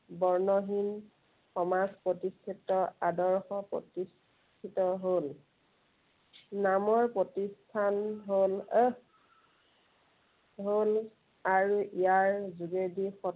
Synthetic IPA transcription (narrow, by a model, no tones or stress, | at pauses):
bɔɹnɔɦin | xɔmazpɹotistʰitːɔadɔɹxɔpɹo̰tis | tʰitɔɦol | namɔɹpɹotistʰanɦolə | ɦol | aɹuʔijaɹzuɡedixɔ